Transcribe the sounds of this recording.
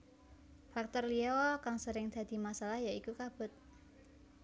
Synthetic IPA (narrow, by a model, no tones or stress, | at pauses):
fak̚t̪ɔrliɔkaŋsəɾɪŋd̪̥a̤d̪̥i̤masalahjaikukab̥ʊ̤t̪̚